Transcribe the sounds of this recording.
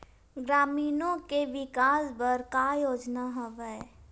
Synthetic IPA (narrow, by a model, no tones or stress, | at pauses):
ɡɾaːmiːnõkeʋɪkaːsbəɾkaːjoːd͡ʒnaɦoʋɛː